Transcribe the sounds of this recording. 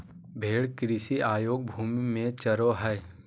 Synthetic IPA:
bʱeːɽkɾɪsiʔaːjoːɡ̚bʱuːmimẽt͡ʃəɾoɦɛː

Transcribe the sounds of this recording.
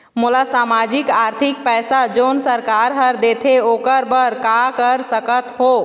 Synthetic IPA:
mʊlasaːmaːd͡ʒɪkaːɾt̪ʰɪk̚pɛːsad͡ʒoːnsəɾkaːɾɦəɾd̪eːt̪ʰeoːkəɾbəɾkakəɾsəkət̪ɦoː

